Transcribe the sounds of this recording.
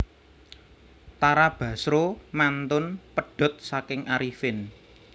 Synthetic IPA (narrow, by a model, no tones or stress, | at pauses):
t̪aɾab̥ä̤sɾomant̪ʊnpəɖ̥ɔ̤t̪̚sakɪŋʔaɾifɪn